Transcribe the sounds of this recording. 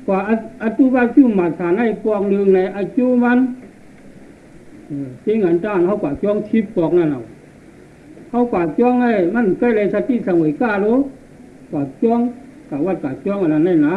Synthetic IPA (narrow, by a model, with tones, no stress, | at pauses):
kwaː˨ʔʔa˧t̪u˧˦˨kaː˧t͡ɕu˧˨ma˨˩t̚tʰaː˨na˧˩jpɔː˧k̚nɯ˧ŋna˧jʔa˧t͡ɕuː˧˥˨ma˧˥˨n˨ | te˧˦˨ŋa˨nt̪aː˧˩˨nha˧˩wkaː˨˩t͡ɕɔ˧˥˨ŋt̪ʰi˧˦p̚kɔː˧k̚na˧˨na˨w | ha˧˨wkwaː˨t͡ɕɔː˧˥˦ŋna˧˨ma˧˥˨n˨ka˧˨jla˧˨sa˧t̪i˧˥˨sa˧˨mo˨jkaː˧˨lo˧˦ | kwaː˨˩t͡ɕɔ˧˥˨ŋ | ka˨˩wa˧˩t̚ka˨˩t͡ɕɔː˧˦˨ŋa˨na˧˨na˧˩jna˧˦